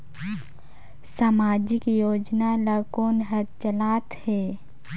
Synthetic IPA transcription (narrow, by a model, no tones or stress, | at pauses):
samaːd͡ʒikijoːd͡ʒnalakoːnɦət̪̚t͡ʃəlaːt̪hɛː